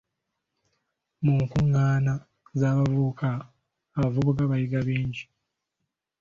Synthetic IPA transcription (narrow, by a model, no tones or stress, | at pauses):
muŋkuŋːaːna | zaːβavukʰaː | βavuβukaβajiɡaβiːɲɟi